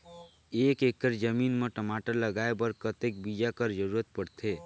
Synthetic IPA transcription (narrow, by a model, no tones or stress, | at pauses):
ekekəɾd͡ʒəminmeʈəmaʈəɾləɡaebəɾkət̪ek̚bid͡ʒakəɾd͡ʒəɾuɾət̪̚pəɽt̪ʰe